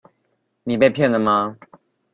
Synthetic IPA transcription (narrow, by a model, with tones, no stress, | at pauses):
ni˨˩pe˥˧ɪpʰjɛ˥˩nd̪ə˩ma˨